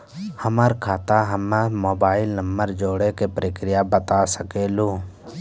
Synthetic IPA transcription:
həməɾkʰaːt̪aɦəmːamoːbaːɪlnəmbəɾd͡ʒoːɽekepɾeːkɾɪjabət̪asəkeːloː

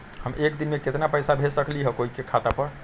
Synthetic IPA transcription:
həmekd̪inmeket̪napəjsabʱesəkliɦɔkoɦikekʰat̪apəɾ

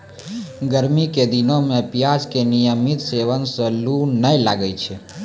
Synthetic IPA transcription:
ɡəɾmiked̪inomẽpjad͡ʒkenijəmit̪seʋənsəlunəilaɡəjt͡ʃʰe

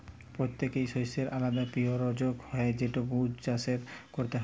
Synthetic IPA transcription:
pɾot̪ːekejʃojseɾʔalad̪apioɾod͡ʑoɡhɔeed͡ʑeʈubud͡ʑt͡ɕaseɾkoɾt̪eɦ

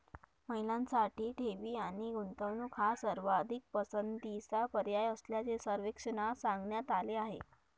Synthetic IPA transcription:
məɦilãnsaʈiːʈʰeʋiːaɽ̃iɡunt̪əʋnukʰɦasəɾʋad̪ʱik̚pəsənd̪isapəɾjajəsljat͡sesəɾʋekʂənasaŋɡɳjat̪aleaɦḛ

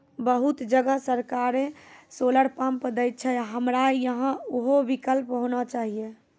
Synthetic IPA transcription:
bəɦut̪d͡ʒəɡəsəɾkaɾesoləɽpampəd̪əjt̪̚t͡ʃʰɛɦəmɾajəɦə̃oɦobikəlpɦonat͡ʃaɦije

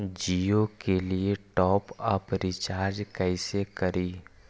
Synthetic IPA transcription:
d͡ʒiokelieʈɔːpɐpɾɪt͡ʃaːɾd͡ʒkɛɪsekɐɾiː

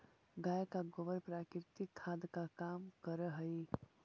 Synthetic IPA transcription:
ɡajkaɡobəɾpɾakiɾt̪ikʰːad̪kakamkəɾəɦəj

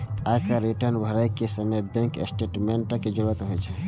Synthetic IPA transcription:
akaɾiʈəɾnbʱəɾajkːesəməjbɛ̃ŋkḛsʈeʈmeɳʈəked͡ʒoɽət̪ɦojt͡ʃʰɛ

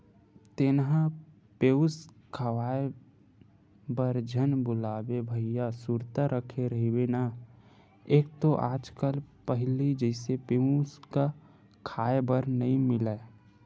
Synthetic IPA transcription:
t̪ɪnɦã | peːʊs | kʰawaːe | bəɾd͡ʒʱənbʊlaːbebʱəɪjasuɾt̪aɾəkʰeɾəɦiwena | eːk̚t̪oʔa̰ːd͡ʒkəlpəɦlid͡ʒəɪsepeuska | kʰaːebəɾnəɦĩmɪla

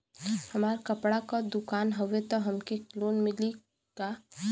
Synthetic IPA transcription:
həmaːɾkəpɽakad̪ʊkaːnɦəʋet̪ɔɦɐmkekloːnmɪli | ka

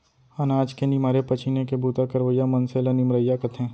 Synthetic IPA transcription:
ɐnaːd͡ʒkenimaːɾepɐt͡ʃʰinekebʱuːt̪akɐɾʋəjamɐnselɐnimɾəjːakɐt̪ʰẽː

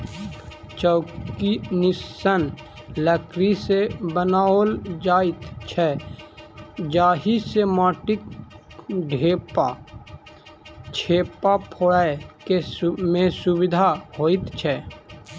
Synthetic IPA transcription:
t͡ʃəʊkinɪsən | ləkɾisebənaːoːld͡ʒaːɪt̪t͡ʃʰɛ | d͡ʒaːɦisemaːʈɪk | ɖʱeːpa | t͡ʃʰeːpapʰoːɽaekemẽsʊwɪd̪ʱaɦoːɪt̪t͡ʃʰɛː

